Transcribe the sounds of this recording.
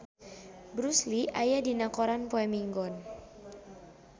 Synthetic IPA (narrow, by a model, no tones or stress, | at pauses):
bɾusliʔajadinakɔɾanpoɛmiŋɡɔn